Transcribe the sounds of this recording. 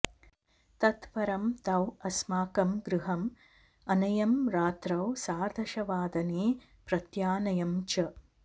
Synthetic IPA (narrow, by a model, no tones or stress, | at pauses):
t̪ɐt̪ʋɐɾɐmt̪ɐwɐsmaːkɐmɡɾɨɦɐm | ɐnɐjɐmɾaːt̪ɾɐwsaːɾd̪ʱɐʃɐʋaːd̪ɐneː | pɾɐt̪jaːnɐjɐmt͡ʃɐ